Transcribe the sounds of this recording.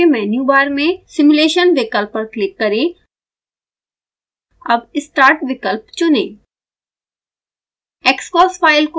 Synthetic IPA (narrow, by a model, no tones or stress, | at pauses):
emɛːnjubaːɾmẽsɪmuleːʃənʋɪkəlpːəɾklɪkːɐɾẽ | ɐbɪsʈaːɾʈʋɪkəlpt͡ʃʊnḛ̃ː | eːkskɔːsfaːɪlko